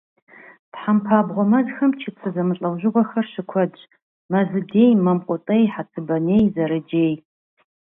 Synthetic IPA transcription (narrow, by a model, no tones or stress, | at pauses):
tħampʰaːbʁʷɔmɐzxɐmt͡ʃʰit͡sʰɨzɐmɨɬʼɐwʒɪʁʷɔxɐrɕɪkʷʰɔd͡ʒʼ | mɐzɨdeːjmɐmqʷʼɔtʼɐjħat͡sʰɨbɐneːjzɐɾɨd͡ʒeːj